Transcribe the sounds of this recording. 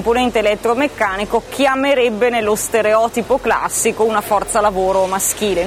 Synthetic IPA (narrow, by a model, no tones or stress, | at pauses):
mponɛnt̪eːlɛt̪ːɾomekːaːnikok̟jameɾɛbːenelːost̪eɾeɔːt̪ipokla̰sːikounafɔrt̪salavoːɾomask̟iːle